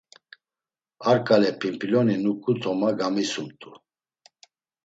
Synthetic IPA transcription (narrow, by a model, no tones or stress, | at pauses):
aɾkʼalɛpʰimpʰiljɔninukʼut̪ʰɔmaɡamisumt̪ʼu